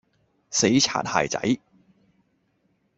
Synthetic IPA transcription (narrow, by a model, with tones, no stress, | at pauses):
se˨˥jt͡sʰa̰ː˨˩nha̰ː˨˩jt͡sɐ̰˨˧˥j